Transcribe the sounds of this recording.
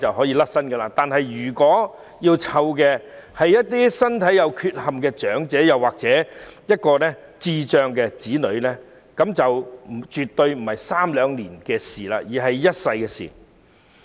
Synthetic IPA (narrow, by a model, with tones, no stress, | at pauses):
t͡sɐ˨whɔː˨˥jiː˧lɐ˥k̚sɐ˥nɡɛ˧laː˧t̪aː˨nɦɐ˨jɥyː˨˩kɔː˨˥ | jiː˧wt͡sʰɐ˧wkɛ˧hɐ˨jɐ˥t̚t̪iː˥sɐ˥nt̪ʰɐ˨˥jɐ˨˧wkʰyː˧t̚hɐ˨mkɛː˧t͡ʃœː˨˥ŋt͡sɛː˨˥jɐ˨˩waː˨k̚t͡sɛː˨˥jɐ˥t̚kɔː˧nɛ˥ | t͡siː˧t͡ʃœː˨˧ŋkɛː˧t͡siː˨˥nɵ˨˧ɥnɛ˥ | kɐ˨˧˥mt͡sɐ˨wm̩˨˩t͡ʃyː˨t̪ːɵ˧ɥm̩˨˩hɐ˨jsaː˥mlœː˨˧ŋliː˨˩nkɛː˧siː˨˩laː˧jiː˨˩ɦɐ˨jjɐ˥t̚sɐ˧jkɛː˧sḭː˨˩